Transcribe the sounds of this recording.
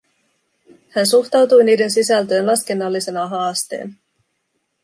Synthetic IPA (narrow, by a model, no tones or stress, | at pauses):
hænsuxt̪ɑwt̪ujniːde̞nsisælt̪ø̞ːnlɑske̞nːɑlːise̞nɑɦɑːst̪ḛːn